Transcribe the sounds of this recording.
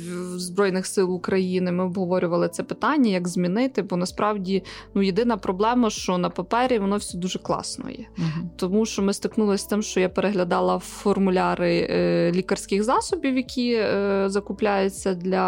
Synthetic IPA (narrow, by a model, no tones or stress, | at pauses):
zbɾɔjnɪxsɪlˠʊkɾɐjinɪmɪɔbɦɔʋɔɾʲʊʋɐlˠɪt̪sɛpɪt̪ɑnʲːɐjɐɡzʲmʲinɪt̪ɪbɔnɐspɾɑwdʲinujed̪ɪnɐpɾɔblˠɛmɐʃt͡ʃɔnɐpɐpɛɾʲiʋɔnɔwsʲɛd̪uʒɛklˠɑ̰snɔ̰jɛ̰t̪ɔmuʃt͡ʃɔmɪst̪ɪknulˠɐsʲt̪ɪmʃt͡ʃɔjapeɾeɦlʲɐd̪ɑlˠɐfɔrmʊlʲɑɾɪlʲikɐrsʲkɪxzɑsɔbʲiwjɐkʲʰizɐkʊplʲajʊt͡sʲːɐd̪lʲɐ